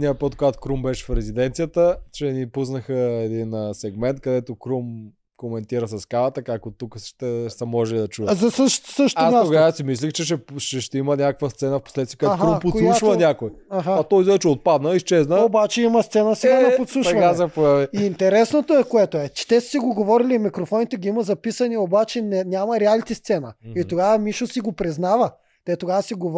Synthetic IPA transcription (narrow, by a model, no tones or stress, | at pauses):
nʲiəpət̪̚koɡat̪o̥kɾumbɛʃɛ̥fɾɛzid̪ɛnt̪sijət̪ət͡ʃɛnipusnəxəɛd̪inəsɛɡmɛnt̪̚kɐd̪ɛt̪okɾum | komɛnt̪iɾəsɐskavɐt̪əkak̚tot̪ukəʃt̪ɛsɐmɔʒɛlid̪ɐt͡ʃud̪zɐsəʃt̪səʃt̪astaoɡasimislʲixt͡ʃɛʃɛʃɛʃt̪ɛimənʲakəkvəst̪sɛnəfpo̥slɛt̪t̪ikaɦkɾupot̪slˠuʃvənʲakoj | aɦaɐt̪ɔjzɛɛt͡ʃɛot̪̚pad̪nəist͡ʃɛznəobat͡ʃɛimɐst̪sɛnəsɛɡad̪ɐpot̪slˠusʃɐvɐnasɐpviiːnt̪ɛɾɛsnot̪oɛkoɛt̪oɛt͡ʃɛ̥t̪ɛssiɡoɡovɔɾilimikɾofɔnit̪ɛɡiimɐzɐpisɐniobat͡ʃɛnɛnʲamɐɾɛalit̪ist̪sɛnəit̪oɡavɐmiʃosiɡopɾiznavə | t̪ɛt̪oɡavəsiɡov